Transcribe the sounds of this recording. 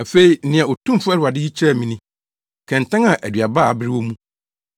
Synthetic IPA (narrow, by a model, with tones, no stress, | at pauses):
a˨fe˦i˨n̩˦nɪ̃˨ã˨o˨tʰũ˦m˦fʊ˦æ˦ʊ˨a˨dɪ˦hi˦t͡ɕʰɾɛ˦˨mĩ˨nĩ˦ | kʰɛ̃˨n˨tʰɛ̃˦ŋã˨ʔæ˨dɥa˨baː˦a˨bɪ˦ɾɪ˦wɔ˦mũ˦